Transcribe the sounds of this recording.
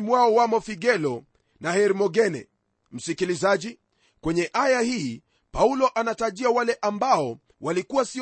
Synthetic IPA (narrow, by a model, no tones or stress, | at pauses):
mwaɔwamɔfiɡɛlɔ | nahɛɾimɔɡɛnɛ̰ | m̩sikilizaʄi | kwɛɲɛʔajahiː | paulɔʔanataʄiawalɛʔambaɔ | walikuwasi